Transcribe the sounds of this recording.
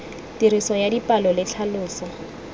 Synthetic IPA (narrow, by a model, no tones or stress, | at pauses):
tiɾisɔjadipʼalɔlɪt͡ɬʰalʊːsɔ